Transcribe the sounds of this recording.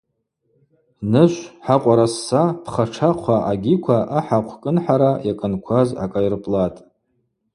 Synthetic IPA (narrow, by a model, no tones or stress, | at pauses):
nɨʃʷħaqʷʼaɾasːapʰχaʈ͡ʂʰaqʷʰaʔaɡʲikʷʰaʔaħaqʷʰkʼɨnħaɾajakʼɨnkʷʰaza̰kʼajrɨpʼlatʼ